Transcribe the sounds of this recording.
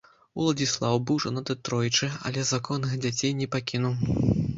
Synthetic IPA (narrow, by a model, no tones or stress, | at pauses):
ulˠɐd͡zʲislˠawbɨwʐɐnat̪ɨt̪ɾɔjit͡ʂɨɐ̰lʲɛzakɔnːɨxd͡zʲat͡sʲejnʲɛpakʲinuw